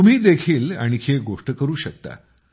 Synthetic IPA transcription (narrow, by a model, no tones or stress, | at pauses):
um̤iːd̪ekʰiːla̰ɽ̃ikʰeɡoʂʈəkəɾuːɕək̚t̪a̰